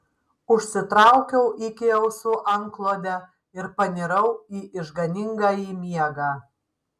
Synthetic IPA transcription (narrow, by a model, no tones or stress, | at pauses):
ʊʃʲsʲɪt̪ɾɑʊkʲɛʊʔikʲɪɛʊsʊʔɐŋklˠoːd̪ʲɛ | ɪɾpɐnʲɪɾɐʊiːʔɪʒɡɐnʲɪŋɡaːjiːmʲiɛɡɑː